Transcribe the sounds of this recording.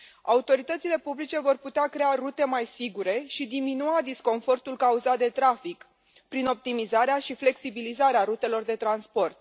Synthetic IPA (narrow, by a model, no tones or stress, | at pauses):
a̰ut̪o̞ɾit̪ət̪sile̞publit͡ʃe̞vo̞rput̪eakɾe̞aɾut̪e̞majsiɡuɾe̞ʃid̪iminuad̪isko̞nfo̞rt̪ulkauzat̪̚d̪e̞t̪ɾafik | pɾino̞p̚t̪imizaɾeaʃifle̞ksibilizaɾeaɾut̪e̞lo̞rd̪e̞t̪ɾanspo̞rt̪